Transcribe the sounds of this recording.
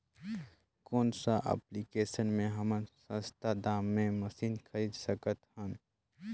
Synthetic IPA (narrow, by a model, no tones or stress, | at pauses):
koːnsaʔḛːplikeːʃənmẽɦɐmənsə̃nst̪ʰad̪aːmːẽmɐsiːnkʰɐɾiːd̪səkət̪hə̃n